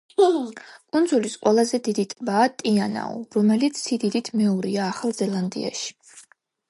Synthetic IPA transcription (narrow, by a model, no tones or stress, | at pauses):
kʼund̪zulisqʼwɛlˠazɛd̪id̪it̪ʼbaːt̪ʼiana̰ɔ̰ɾɔmɛlit̪sʰːid̪id̪it̪ʰmɛɔɾiaːχalˠzɛlˠand̪ḭa̰ʃi̥